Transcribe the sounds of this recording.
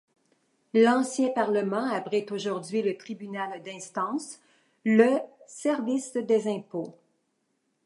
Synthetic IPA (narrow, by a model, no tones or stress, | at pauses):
lɑ̃sjɛ̃paʁləmɑ̃abʁit̪oʒuʁd̪ɥilət̪ʁibynald̪ɛ̃st̪ɑ̃s | ləsɛʁvisd̪ɛzɛ̃po